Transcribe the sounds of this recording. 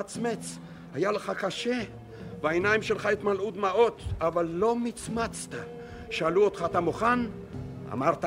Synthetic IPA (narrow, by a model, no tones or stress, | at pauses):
at͡smet͡s | hajaleχakaʃe | veaenajimʃelχaet̪malʔud̪mao̞t̪avalːomit͡smat͡st̪a | ʃealuot̪χat̪amoχan | a̰maʁt̪a